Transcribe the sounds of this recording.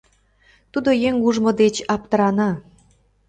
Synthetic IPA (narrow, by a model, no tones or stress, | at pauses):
t̪ud̪ojeŋuʒmŏd̪et͡ɕɑp̚t̪əɾɑnɑ